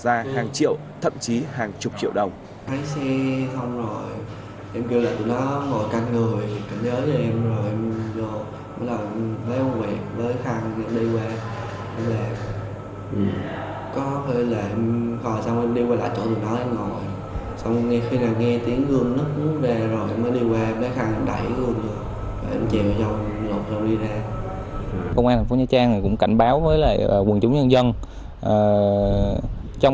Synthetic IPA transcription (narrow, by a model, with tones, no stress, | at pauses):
zaː˧haː˨˩ŋt͡ɕḭ˧˨əwt̪ʰə̰˧˨mt͡ɕi˨˦haː˨˩ŋt͡ɕʊ˨˩p̚t͡ɕḭ˧˨əwɗə˨˩wŋ͡m | t̪ʰaː˨˦jsɛ˧sə˧wŋ͡mzo˨˩j | ʔɛ˧mki˧wla̰ː˨˩t̪i˧˩nɔ˨˦ŋo˨˩jka˧nŋɨ˨˩əjka˧˩ŋzəː˨˦jzɔ˧˩ʔɛ˧mzo˨˩jʔɛ˧mzo˧˩ | a˨˦laː˨˩ʔvəː˨˦jʔo˧wi˨˩ək̚vəː˨˦jxa˧˩ŋa˧˩nɗi˧kwaː˧˩ | hɛ˧lɛ˨˩ | ʔɨ˨˩ | kɔ˨˦hʰə˧˩le˨˩ʔhɔ˨˩jsa˧wŋ͡mʔɗi˧waː˧la̰ː˧˨˩t͡ɕo̰˧˥t̪ɨ˨˩nɔ˨˦ʔɛ˧mŋo˨˩j | sa˧wŋ͡mŋɛ˧xi˧naː˨˩wŋɛ˧t̪i˨˦əŋɣɨ˧ənːə˦k̚ʊ˨˦zɛ˨˩zo˨˩jʔməː˨˦jɗi˧ɣwɛ˨˩ɓəː˨˦jxa˧ŋ˨˧˩ɗa̰˧˩jɣɨ˧ənɗɨ˨˩ | va˨˩˨ʔɛ˧mt͡ɕḭ˧˨wzə˧w | lo˨˩zwɗi˧zaː˧˩ | kə˧wŋ͡mʔa˧t̪ʰa˨˩ŋ˩fɲaː˨˦jt͡ɕaː˧ŋnaː˨˩kʊ̰˧˥ŋ͡mka̰˧˨jŋ̟ɓaː˨˦wvəː˨˦jla̰˧˨əː˨˩kwə˨˩nt͡ɕʊ˨˦ŋ͡mɲə˧nzə˧n | ʔəː˨˩ | t͡ɕɔ˧wŋ͡m